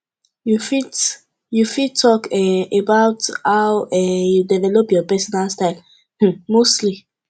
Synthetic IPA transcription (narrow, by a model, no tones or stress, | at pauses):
jufi | jufitʰɔkɛebaʊthawɛjudɛvɛlopjɔpɛsɔnalstaɪl̩ | mostli